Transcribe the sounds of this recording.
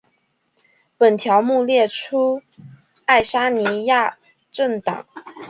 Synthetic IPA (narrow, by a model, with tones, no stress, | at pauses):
pə˨˩nt̪ʰjɑ˧˥ʊmu˥˧ljɛ˥˩ʈ͡ʂʰu˥ | a˥˩ɪʂa˥ni˧˥ja˥˧ | ʈ͡ʂə˥˩ŋt̪ɑ̰˨˩˦ŋ